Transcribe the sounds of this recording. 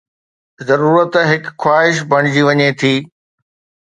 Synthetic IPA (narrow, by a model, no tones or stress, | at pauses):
zɐɾuːɾət̪ɦɪkxwaːɦɪʃ̬bʱɐɽ̃ɪd͡ʑiʋɐɲet̪ʰiː